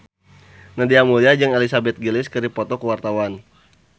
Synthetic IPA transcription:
nadiamuliad͡ʒɨŋelisabɛt̪̚ɡilɪskəɾipɔt̪ɔkəwart̪awan

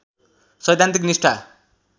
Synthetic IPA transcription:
sʌjd̪ʱãnt̪iknisʈʰa

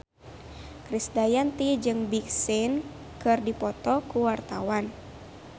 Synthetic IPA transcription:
kɾisdajant̪id͡ʒɨŋbik̚sin | kɨrdipɔt̪ɔkuwart̪awan

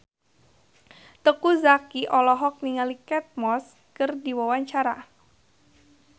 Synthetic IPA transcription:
t̪əkuzakiʔɔlɔɦɔk̚niŋalikɛt̪̚mɔs | kərdiwawaɲt͡ʃaɾa

